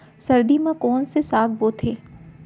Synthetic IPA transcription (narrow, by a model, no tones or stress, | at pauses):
sɐɾd̪imãkoːnsesaːɡ̚boːt̪ʰeː